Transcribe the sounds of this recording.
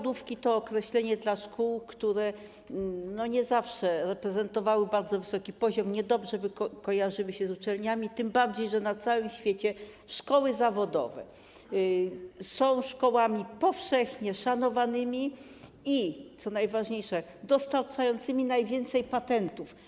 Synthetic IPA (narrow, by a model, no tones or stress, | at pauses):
d̪ufkʲit̪ɔːkɾɛɕlɛɲɛd̪laʂkuwkt̪uɾɛ | nɔɲɛzafʂɛɾɛpɾɛzɛnt̪ɔvawɘbaɾd̪zɔvɘsɔkʲipɔʑɔmɲɛd̪ɔbʐɛbkɔjaʐɘwɘɕɛzut͡ʂɛlɲamʲit̪ɘmbaɾd͡ʑejʐɛnat̪sawɘmɕfʲjet͡ɕɛ | ʂkɔwɘzavɔd̪ɔ̰vɛ̰ | sɔ̃w̃ʂkɔwamʲipɔfʂɛxɲɛʂanɔvanɘmʲi | it̪sɔnajvaʐɲejʂɛd̪ɔst̪aɾt͡ʂajɔnt̪sɘmʲinajvʲjɛnt̪sɛjpat̪ɛnt̪uf